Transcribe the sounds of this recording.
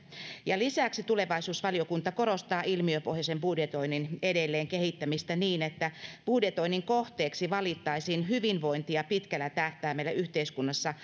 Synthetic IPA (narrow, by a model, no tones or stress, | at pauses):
jɑlisæksit̪ule̞ʋɑisuːsʋɑliokunt̪ɑko̞ɾost̪ɑːʔilmiøpohjɑsembudjet̪oininedelːeːŋkehit̪ːæmist̪æniːnet̪ːæb̥udjet̪o̞inːiŋkoht̪eːksiʋɑlit̪ːɑisiːnɦyʋinʋo̞int̪iɑpit̪kælːæt̪æht̪æːmeˑilæyht̪eiskunːɑsːɑ